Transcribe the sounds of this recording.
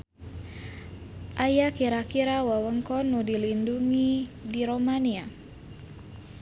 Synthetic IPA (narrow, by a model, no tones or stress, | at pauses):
ʔajakiɾakiɾawawəŋkɔnudilinduŋidiɾomania